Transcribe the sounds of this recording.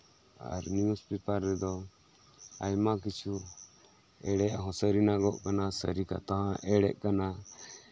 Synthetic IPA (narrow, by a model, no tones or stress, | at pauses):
a̰ɾniuspit̪aɾɾɛd̪ɔ | ajmak̬it͡ʃʰu | ɛɽɛʔɦɔ̃səɾinaɡɔʔkanasəɾika̰t̪aɦãʔɛɽɛ̰ʔkana